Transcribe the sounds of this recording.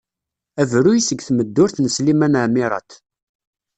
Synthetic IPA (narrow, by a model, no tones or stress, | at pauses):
ævɾujisəɡθməd̪ːʊɾθnəslimænəʕmiɾˤɑ̰t̪